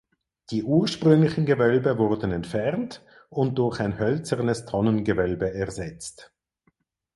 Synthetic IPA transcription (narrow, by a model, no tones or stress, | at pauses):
d̥iːʔuːɐʃpʁʏŋlɪçən̩ɡəvœlbəvʊʁdn̩ɛntfɛʁnt | ʊnt̚d̥ʊɐçaɪnhœlt͡səʁnəstʰɔnənɡəvœlbəɛɐzɛt͡st